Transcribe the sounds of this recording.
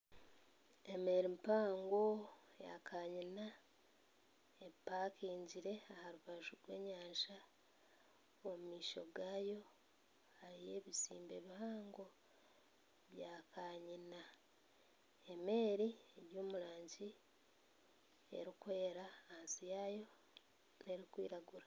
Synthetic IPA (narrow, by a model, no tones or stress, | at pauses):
eme̞ːɾimpaːŋɡo | ja̰kʰaːɲina | epːaːkiːɲɟiɾe̞ahaɾuβaʒuɾwe̞̰ːɲaːʃa | omumiːʃo̞̰ɡaːjo̞ | haɾije̞ːβisḭːmbe̞̰βihaːŋɡo̞ | βjaːkʰaːɲina | eme̞ːɾieɾjoːmuɾaːɲɟi | ḛɾikwe̞ːɾaansijaːjo̞ | ne̞ɾikwḭːɾaɡuɾa